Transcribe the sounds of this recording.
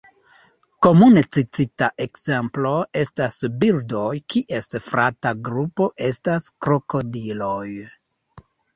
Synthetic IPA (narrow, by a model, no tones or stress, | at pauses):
ko̞munet͡sit͡sitaʔekze̞mplo̞e̞stasbildo̞jkiʔe̞sfɾʔataɡɾupo̞ʔe̞staskɾoko̞dilo̞j